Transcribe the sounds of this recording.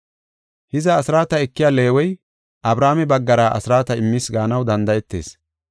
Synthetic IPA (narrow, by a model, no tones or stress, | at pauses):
hɪzɐːsɪɾaːt̪ɐɛkːɪjaːle̞ːwɔj | ʔɐbɾaːmɛbɐɡːɐɾaʔɐ̰sɪɾaːt̪ɐɪmːisɡaːnɐwd̪ɐnd̪ɐjɛt̪ːe̞̰ːs